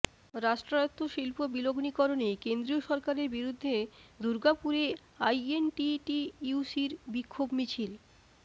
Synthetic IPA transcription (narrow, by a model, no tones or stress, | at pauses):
ɾaʃʈɾoot̪ːoʃilpobiloɡnikɔɾonekend̪ɾioʃɔɾkaɾeɾbiɾud̪ʱːed̪uɾɡapuɾe | ajenʈiʈiusiɾbikʰːobmit͡ɕʰil